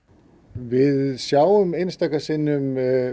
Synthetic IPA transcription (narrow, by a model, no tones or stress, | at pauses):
vɪðsjawʏmejnst̪akasɪnːʏm